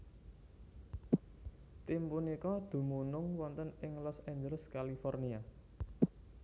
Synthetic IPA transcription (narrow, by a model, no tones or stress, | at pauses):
t̪impunikɔd̪̥ṳmunʊŋwɔnt̪ənɪŋlɔsɛɲd͡ʒələskalifɔrnia